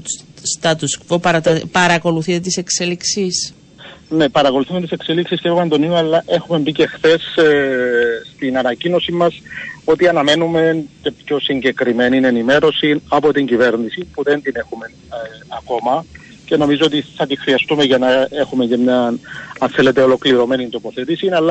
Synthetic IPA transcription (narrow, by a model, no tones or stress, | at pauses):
st̪ɐt̪uskvopɐɾɐt̪ɐpɐɾɐko̞luθit̪et̪ise̞kse̞liksis | ne̞pɐɾɐko̞luθumet̪isekse̞liksisceomend̪o̞nioɐlːɐʔexume̞mbice̞xθe̞s | st̪inɐnɐcino̞simːɐso̞t̪iɐnɐme̞nume̞ncepço̞siɲɟe̞kɾime̞nine̞nime̞ɾo̞sinɐpo̞t̪iɲɟive̞ɾnisipuðe̞nd̪ine̞xume̞nɐko̞mɐ | ce̞no̞mizoo̞t̪iθɐt̪ixɾiɐst̪ume̞ʝɐnɐe̞xume̞cemɲɐnɐnθe̞let̪e̞o̞lo̞kliɾo̞me̞nint̪opo̞θet̪isinɐlːɐ